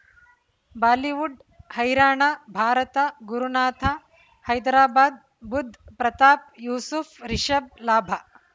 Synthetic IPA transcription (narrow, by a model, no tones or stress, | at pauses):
baːliʋuɖ | hɐjɾaːɳabʱaːɾɐt̪ɐɡuɾunaːt̪ʰa | hɐjd̪ɾaːbaːd̪̚ | bud̪ʱpɾɐt̪aːp̚juːsufɾiʃɐb̚laːbʱɐ